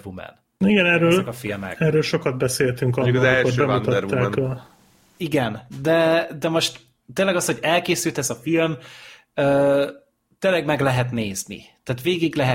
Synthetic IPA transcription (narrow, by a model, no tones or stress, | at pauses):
vumɛ̰n | niɡɛnɛrːøːlɒkɒfilmɛ̰kɛrːøːlʃo̞kɒd̪̚bɛseːlt̪yŋkɒkɒzɛlʃoʃøːbɛɒunt̪ɒdɛtɾvuːaːkl | iɡɛnd̪ɛd̪ɛmo̞ʃt̪ | t̪ːeːnlːɛɡɒsho̞ɟɛlkeːsylt̪ɛzɒfilm | øː | t̪ːeːlːɛɡmɛɡlɛɦɛt̪neːznḭt̪æːt̪ʋeːɡiɡlɛɦɛ